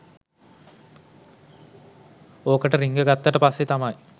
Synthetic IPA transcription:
oːkəʈəɾiŋɡəɡat̪ːəʈəpasːet̪amaj

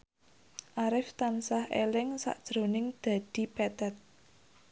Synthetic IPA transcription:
ʔaɾɪft̪ansahelɪŋsa̰ʔd̥ʒ̥ɾo̤nɪŋd̪̥a̤d̪̥i̤pɛt̪ɛt̪̚

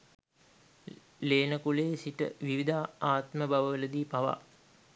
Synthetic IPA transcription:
leːnəkuleːsiʈə̰ʋiʋid̪aːaːt̪məbaʋəʋələd̪iːpaʋa̰

